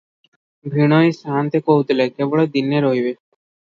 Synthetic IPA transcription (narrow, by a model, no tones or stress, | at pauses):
bʱɾiɽ̃ɔjsant̪ekoɦut̪lekebɔɭed̪inːeɾoɦibe